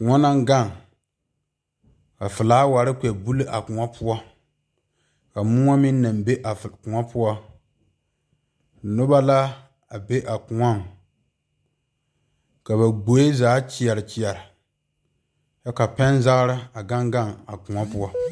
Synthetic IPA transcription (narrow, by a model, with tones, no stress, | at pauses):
kʊ˨ŋa˦na˦ŋ˦ɡa˦˨ŋ | ka˨fɨ˨laː˦wa˨ɾɪ˦k͡pɛ˨bu˦lɨ˦ʔa˨kʊ˨a˦pʰʊ˦ɔ˦ | ka˨mʊ˦ŋa˦mɪ˦n˦na˨mbe˦ʔa˨kʊ˨ŋa˦pʊ˦ɔ˦˨ | nʊ˦ba˦la˦ | a˨be˦ʔa˨kʊ˨ŋa˦˨ŋ | ka˨βa˨ɡ͡bo˨˦je˦zaː˨˦t͡ʃi˨ɛ˨ɾɪ˨t͡ʃi˨ɛ˨ɾɪ˨ | t͡ʃa˦ka˨pɛ˦n˦za˦ɣɾɪ˦a˨ɡa˦ŋɡa˦˨ŋa˨kʊ˨ŋa˦pʊ˦ɔ˦